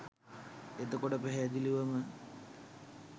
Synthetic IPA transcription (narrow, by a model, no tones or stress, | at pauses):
et̪əkoʈəpæɦed̪iliʋəmə